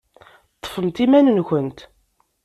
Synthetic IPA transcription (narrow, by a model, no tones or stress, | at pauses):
t̪ˤːə̥fəmt̪imænənçənt̪